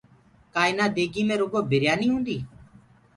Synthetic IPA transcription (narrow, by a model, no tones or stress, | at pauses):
kaːɪnaːd̪eːɡiːmẽːɾoːɡoːbʱɪɾjaːniːɦũːnd̪iː